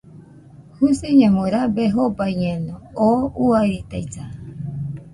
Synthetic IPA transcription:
huseɲãmõɾabeɦobajɲẽnõouaɾit̪ajt͡sa

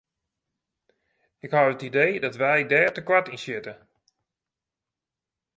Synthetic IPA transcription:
ɪkhawətidejdɔtʋɛjdɛːɹtəkʋatinsjɪtə

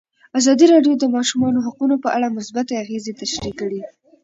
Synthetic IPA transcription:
azɑd̪iɾɑɖjod̪əmɑʃumɑnoɦaqunopəʔaɽamʊsbat̪aaɣezet̪aʃɾikəɽi

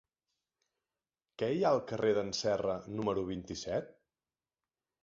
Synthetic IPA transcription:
kɛjaəlˠkəreðənsɛrənuməɾuβ̞int̪isɛt̪̚

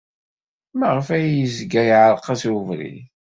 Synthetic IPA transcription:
mæʁəfæjəzɡæjʕəɾqɑsuvɾḭ

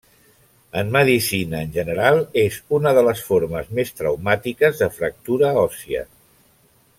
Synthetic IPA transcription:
əmːəðisinəːnʲʒənəɾalˠezunəðələsfoɾməzmest̪ɾəwmat̪ikəzðəfɾək̚t̪uɾəɔsiə̰

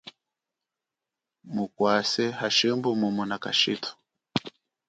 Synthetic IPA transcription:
mukwasɛhaʃimbumumunaka̰ʃitʰu̥

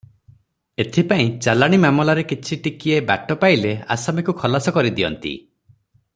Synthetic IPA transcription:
et̪ʰipaĩt͡ʃalaɽ̃imamɔlaɾekit͡ʃʰiʈikieba̰ʈɔpailea̰samikukʰɔlasɔkɔɾid̪iɔ̰nt̪ḭ

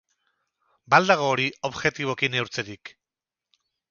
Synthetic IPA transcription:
bald̪aɣ̞o̞ːɾio̞βɣe̞t̪iβ̞o̞kine̞wɾt͡se̞ɾik

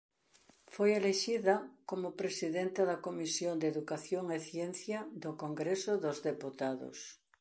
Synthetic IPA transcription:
fojeleʃiðɐkomʊpɾesiðent̪aðɐkomisjond̪eðukaθjoŋeθjen̟θjɐd̪ʊkoŋɡɾesʊðozðeput̪aðo̰s

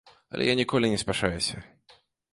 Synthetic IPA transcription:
ɐ̰lʲɛ̰janʲikɔlʲinʲɛspʲaʂajɛsʲɐ

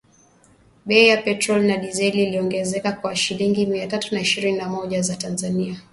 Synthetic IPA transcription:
ɓɛijapɛtɾɔlinaɗizɛliliɔŋɡɛzɛkakwaʃiliŋɡimiatatunaiʃiɾininamɔʄazatanzania

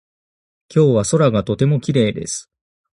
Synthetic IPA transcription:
kʲo̞ːβaso̞ɾaɡat̪o̞t̪e̞mo̞kʲiɾe̞ːd̪e̞̰sɨ̥

